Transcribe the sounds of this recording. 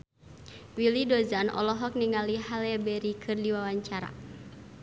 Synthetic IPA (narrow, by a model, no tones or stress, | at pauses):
wilidɔzanʔɔ̰lɔɦɔk̚niŋɡalihalɛbɛɾikʰɨrdiwawaɲt͡ʃaɾa̰